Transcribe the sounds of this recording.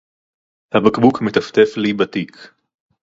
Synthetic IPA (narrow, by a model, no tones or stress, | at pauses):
habakbukmet̪ɐft̪eflibat̪ik